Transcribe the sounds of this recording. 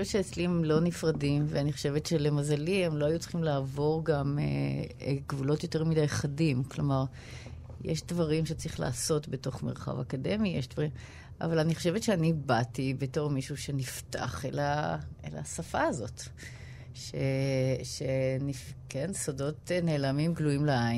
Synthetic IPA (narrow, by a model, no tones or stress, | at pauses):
oʃoevett͡ʃʃeːt͡slimlo̞nifʁadimveaniχo̥ʃe̞vetʃelemazaliemlo̞ajut͡sl̥χimlaːvo̞ʁɡamḛ | ɡvulo̞tjo̞teʁmidajχadimklo̞maʁ | jeʃdvaʁimʃet͡sʁiχla̰ːso̞tbe̞to̞χmeʁχa̰va̰kade̞mijeʃdvaʁim | a̰valaniχo̞̥ʃevetʃeanibatibeto̞ʁmiʃuʃe̞nifta̰χelaḛla̰safaazot | ʃeʃenifkensodo̞tne̞ːlamimɡluimleain